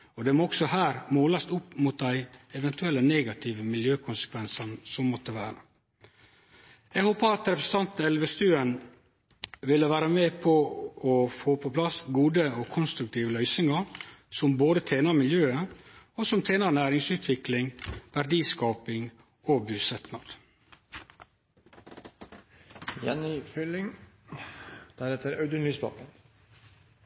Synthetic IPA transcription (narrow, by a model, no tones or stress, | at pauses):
ɔd̪ɛmɔɔksɔhæːɾmoːlɑst̪ʊpːmʊt̪̚d̪æɪɛʋɛnt̪ʉɛlːəneːɡɑt̪ʰiːʋəmɪljøːkʰʊnsə̥kʰʋɛnsɑnsɔmːɔt̪ːəʋæ̰ːɾə | ɛhoːpəɑt̪ɾɛpɾəsən̩t̪ɑnt̪ɛlʋəst̪ʉːən | ʋɪlːəʋæːɾəmeːpʰɔɔfoːpʰɔpʰlɑsɡuːd̪əɔkʰʊnst̪ɾʉk̚t̪ʰiːʋəlœʏsɪŋɑɾsɔmboːd̪ət̪ʰeːnɑmɪljøːəosɔmt̪ʰeːnɑnæːɾɪŋsʉːt̪ʰʋɪklɪŋʋæɾɖiːskɑːpɪŋ | oːbʉːsɛt̪nɑd̪ | jɛ̰nɪfʏlɪŋ | d̪̥æɾɛt̪əɾɑʉd̪ənlyːspɑ̰ːkən